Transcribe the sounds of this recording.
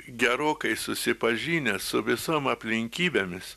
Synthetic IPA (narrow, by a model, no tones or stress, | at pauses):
ɡʲɛɾoːkɐɪsʊsʲɪpɐʒʲiːnʲɛsʊʋʲɪsoːmɐpʲlʲɪŋʲkʲiːbʲeːmʲɪs